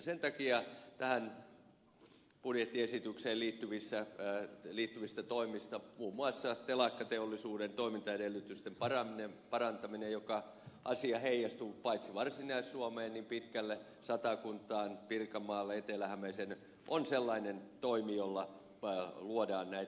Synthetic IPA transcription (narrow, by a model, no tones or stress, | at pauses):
sent̪ɑkiɑt̪æhæn | pudjet̪ːiesit̪ykseːliːt̪ːyʋisːæ | liːt̪ːyʋist̪æt̪oimist̪ɑmuːmːuɑsːɑt̪elɑkːɑt̪eolːisuːdent̪oimint̪ɑedelːˑyt̪yst̪empɑrɑminempɑrɑnt̪ɑminejokɑ | ʔɑ̰siɑheijɑst̪upɑit̪siʋɑrsinɑisːuomeːnnimpit̪kælːe | sɑt̪ɑkunt̪ˑɑːnpirkɑmːɑːlːeet̪elæhæmæsen | ʔonselːɑinent̪oimijolːɑ | luodɑːnnæi